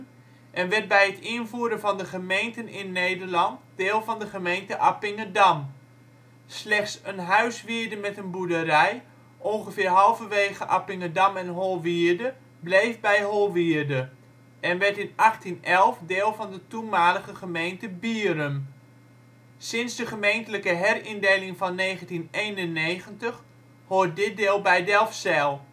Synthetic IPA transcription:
ʔɛnʋɛɹt̚bɛjətʰɪənvuːɾəvɑndəχəmejntənɪnːejdərlɑntd̥eːlˠvɑndəχəmejntəʔapɪŋədɑm | slɛχtsənɦœɥsʋiəɹdəmɛtənbudəɾɛj | ʔɔnχəfɪːɹɦɑlˠvəʋeːjɣəʔapɪŋədɑmɛnɦolˠʋiɹdə | blejfbɛjɦolˠʋiədə | ɛnʋɛɹtɪnaxtinɛlˠfdeːlˠvɔndətumaːləɣəχəmejntəbiəɾəm | sɪnsdəχəmejntələkəɦɛrindejlɪŋfɔnːeːχəntineːnənːeːɣəntəχ | hoːt̚dɪt̚dɪːlˠbɛjdɛlˠfsɛlˠ

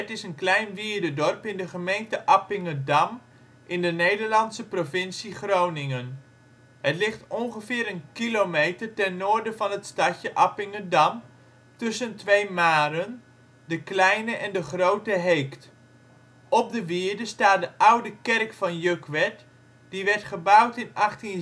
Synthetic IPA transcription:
ətɪsənklɛjnʋiːɹdədɔrpɪndəχəmejntəʔɑpɪŋədɑm | ʔɪndənejdərlɑnsəprofɪnsiχrownɪŋən | hətlɪχtɔnχəfɪːɾənkilomejtərtɛnːʊːɹdəvɑnɦətstɑtjəʔɑpɪŋədɑm | tʏsəntʋejmaːɾən | dəklɛjnəʔɛndəχrowtəɦejkt | ɔp̚dəʋɪɹdəstaːt̚dəʔawdəkɛrkfɑnjøkʋɛt | d̥iʋɛɹtχəbʌwtɪnɑχtin

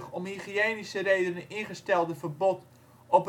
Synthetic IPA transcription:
χɔmhiχieːnisərejdənənʔɪnχəstɛlˠdəvərbɔt | ɔp

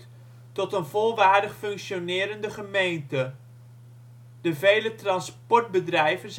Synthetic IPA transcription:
tɔtənvɔlˠʋaːɹdəχfɵŋkʃonɪːɾəndəχəmejntə | dəvejlətrɑnspɔɹd̚bədrɛjvənz

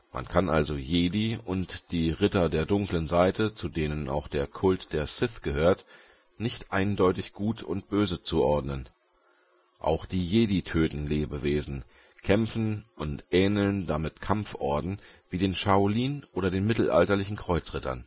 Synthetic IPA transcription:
mʔa̰nkʰanʔalzojeːdiːʔʊntd̥iːʁɪtɐdeːɐdʊŋklənzaɪtət͡sudeːnənna̰ʊxd̥eːɐkʰʊltd̥eːɐsɪθɡ̥əhøːɐt | nɪçtʔaɪndɔʏtɪçɡ̥uːtʰʊ̰ntb̥øːzət͡suʔɔɐdnən | ʔa̰ʊxd̥iːjeːdiːtʰøːtn̩leːbəveːzn̩ | kʰɛmfn̩ʔʊntʔɛːnl̩ndamɪtkʰamfʔɔɐdn̩v̥iːdeːnʃaʊliːnʔoːɾɐdeːnmɪtl̩ʔa̰ltɐlɪçn̩kʁ̥ɔʏt͡sʁ̥ɪtɐ̰n

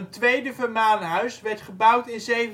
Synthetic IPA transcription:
əntʋejdəvərmaːnəɦœɥsʋɛɹtχəbʌwtɪnzejv

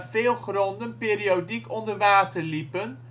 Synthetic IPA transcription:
fɪːlˠχrɔndənpɪːriodikɔndəɹʋaːtəɹlipən

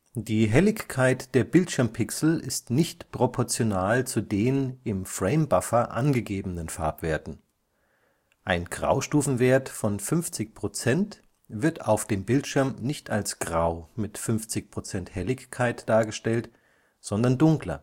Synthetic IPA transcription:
d̥iːɦɛlɪçkʰaɪtd̥eːɐbɪltʃɪɐmpʰɪksl̩ɪstnɪçtpʁ̥opʰɔɐt͡sjonaːlt͡sudeːnɪmfʁ̥ɛɪmbafɐʔa̰nɡəɡeːbənənfa̰ːɐpv̥eːɐtn̩ | ʔaɪnɡ̥ʁa̰ʊʃtuːfn̩veːɐtfɔnfʏnft͡sɪçpʁ̥ot͡sɛnt | v̥ɪɐta̰ʊfd̥eːmbɪltʃɪɐmnɪçtʰalsɡ̥ʁaʊmɪtfʏnft͡sɪçpʁ̥ot͡sɛnthɛlɪçkʰaɪtd̥aːɐɡəʃtɛlt | z̥ɔndɐndʊŋklɐ̰

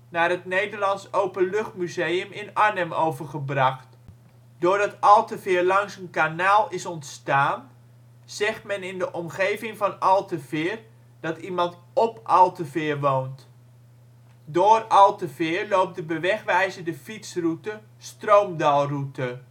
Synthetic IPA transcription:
naːrətnejdərlɑnsowpənlɵχtmyzejəmɪnanəmowvərχəbrɑχt | dʊːrdɑtɑlˠtəfɪːrlɑŋsənkanaːlˠɪsɔntstaːn | z̥ɛχtmɛnɪndəʔɔmχejvɪŋvɑnɑlˠtəvɪːr | d̥ɑtimɑnt | ɔpʔɑlˠtəvɪːrʋoːnt | dʊːrɑlˠtəvɪːrlowp̚tdəbəʋɛχʋɛjzədəfitsrutə | strowmdɑlˠrutə

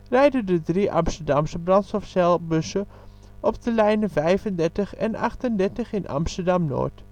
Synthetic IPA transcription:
rɛjdədədriʔɑ̰mstərdɑmsəbrɑntsɔfsɛlˠbøsə | ʔɔp̚dəlɛjnəvɛjfəndɛrtəχɛ̰nʔɑ̰χtəndɛɹtəχɪnʔɑ̰mstərdɑmno̰ːt

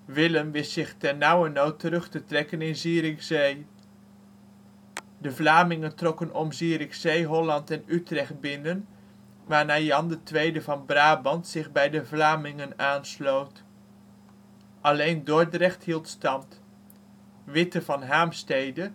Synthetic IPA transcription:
ʋɪləmʋɪstsɪχtɛɹnawənowtəɾɵχtətrɛkənɪnziːɾɪχzej | dəvlaːmɪŋəntrɔkənɔmziːɾɪχsejɦɔlɑntɛnytrɛχt̚bɪnən | ʋaːɹnaːjɑndətʋejdəvɑnbraːbɑntsɪχbɛjdəvlaːmɪŋənaːnslowt | ʔɑlejndɔɹdrɛχtɦilˠtstɑmt | ʋɪtəvɑnɦaːmstejdə

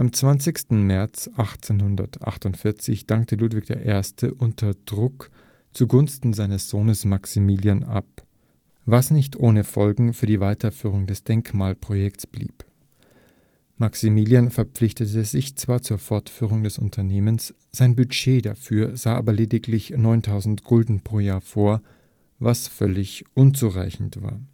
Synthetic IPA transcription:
ʔamt͡sv̥ant͡sɪçstn̩mɛɐt͡sʔaχt͡seːnhʊndɐ̰tʰʔa̰χtʊntfɪɐt͡sɪçd̥aŋk̚təluːtv̥ɪçd̥eːɐʔeːɐstʰəʔʊntʰɐd̥ʁʊk | t͡suɡʊnstn̩zaɪnəsz̥oːnəsmaksimiːljanʔa̰p̚ | vasnɪçtʔoːnəfɔlɡŋ̩fyːɐdiːvaɪtʰɐfyːʁ̞ʊŋdɛsd̥ɛŋkmaːlpʁ̥ojɛksb̥lḭːp | maksimiːljanfɛɐp͡flɪçtətəzɪçt͡sv̥aːɐt͡suːɐfɔɐtfyːʁ̞ʊŋdɛsʊ̰ntʰɐneːməns | z̥aɪnbyʃeːdafyːɐzaːʔa̰ːbɐleːdɪklɪçnɔʏntʰaʊzn̩tɡ̥ʊldn̩pʁ̥oːjaːɐfoːɐ | vasfœlɪçʔʊnt͡suʁaɪçn̩tv̥a̰ːɐ

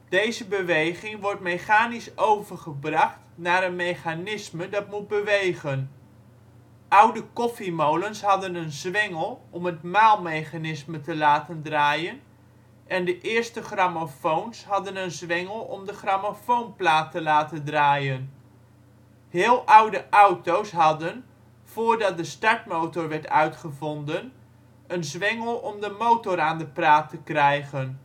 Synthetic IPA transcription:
d̥ejzəbəʋejχɪŋʋɔrtmejχaːnisowvərχəbrɑχtnaːɾənmejχanɪsmədɑtmud̚bəʋejχən | ʔʌwdəkɔfimowlənsɦɑdənənzʋɪŋəlˠɔmətmaːlˠmejχanɪsmətəlaːtəndraːjən | ʔɛndəʔɪəɹstəχramafownsɦɑdənənzʋɛŋəlˠɔ̰mdəχramofownplaːtəlaːtədraːjən | hɪːlˠʔʌwdəʔawtowsɦɑdən | v̥oːɹdɑt̚dəstɑɹtmowtɔɹʋɛɹtœɥtχəvɔndən | ənzʋɪŋəlˠɔmdəmowtɔraːndəpraːtəkrɛjχən

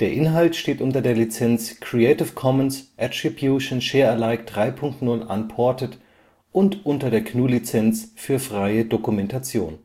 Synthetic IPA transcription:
d̥eːɐʔɪnɦaltʃteːtʔʊntɐdeːɐlit͡sɛnt͡skʁ̥iɛɪtɪfkʰɔmənsʔɛtʁ̥ibjuʃnʃɛːɐɛɐlaɪk̚d̥ʁaɪpʰʊŋk̚tnʊlʔa̰npʰɔɐtət | ʔʊntʔʊntɐdeːɐkʰnuːlit͡sɛnt͡sfyːɐfʁ̥aɪədokumɛntat͡sjo̰ːn

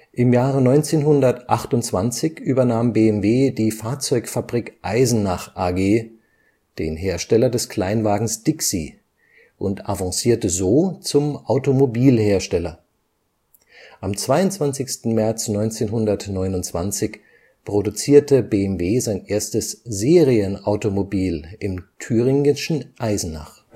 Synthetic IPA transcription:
ʔɪmjaːʁənɔʏnt͡seːnɦʊndɐtʔaχtʊnt͡sv̥ant͡sɪçʔyːbɐnaːmbeːɛmveːdiːfaːɐt͡sɔʏkfabʁikʔaɪzn̩naχʔaɡeː | d̥ḛːnɦeːɐʃtɛlɐdɛskl̥aɪnvaːɡŋ̩sd̥ɪksi | ʔʊntʔavãŋsiːɐtəzoːt͡sʊmʔaʊtomobiːlheːɐʃtɛlɐ | ʔamt͡sv̥aɪʊntt͡sv̥ant͡sɪçstn̩mɛɐt͡snɔʏnt͡seːnɦʊndɐtnɔʏnʊntt͡sv̥ant͡sɪç | pʁ̥odut͡siːɐtəbeːɛmveːzaɪnʔeːɐstəszeːʁiənaʊtomobiːlɪmtʰyːʁɪŋɪʃn̩ʔaɪzn̩na̰χ

